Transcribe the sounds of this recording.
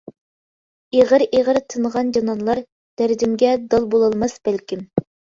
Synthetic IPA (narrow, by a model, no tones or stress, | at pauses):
eʁəɾʔeʁəɾt̪ʰɨnʁɑnd͡ʒɑnɑnlˠɑɾ | d̪̥æɾd̪ɪmɡʲɛd̪ɑlˠbolˠɑlˠmɑsb̥ælkʲim